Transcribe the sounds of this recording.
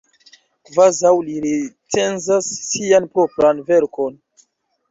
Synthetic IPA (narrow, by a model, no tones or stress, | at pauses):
kvazawliɾetʰenzasːianpɾopɾanve̞ɾkʰo̞n